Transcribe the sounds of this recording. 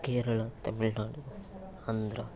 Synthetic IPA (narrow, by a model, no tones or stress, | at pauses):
keːɾɐɭɐt̪ɐmɪɭnaːɽuu | ɐnd̪ɾɐ